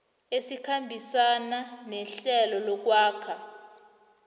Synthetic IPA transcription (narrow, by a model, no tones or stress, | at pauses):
esikʰambʱisananɛɬɛlɔlɔk̬waːkʰa